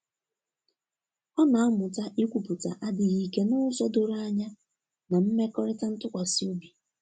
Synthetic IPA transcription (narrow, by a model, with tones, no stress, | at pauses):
ɔ˦na˨a˦mʊ˨ta˦ʔi˦kʷu˨pʊ˨ta̰˨ʔa˦dɪ˨ɣi˨ke˦nʊ˦sɔ˦do˨ɾa˦ɲa˦ | na˨m̩˦me˦kɔ˦ɾɪ˦ta˦n̩˦tʊ˦kʷa˨sɪ˦o˦bi˨